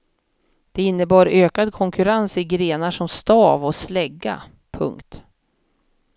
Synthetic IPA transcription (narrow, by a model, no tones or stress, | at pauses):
d̪̥ɛɪnːəbɑːɾøːkad̪kʰɔŋkɵɾansɪɡɾeːnaʂɔmst̪ɑːvɔslɛɡːa̰ | pʰɵ̰ŋkt̪